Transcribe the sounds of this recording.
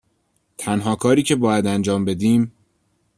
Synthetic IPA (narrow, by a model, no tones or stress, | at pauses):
t̪ʰænɦɒːkʰɒːɾiːcʰe̞bɒːjæd̪ænd͡ʒɒːmbe̞d̪iːm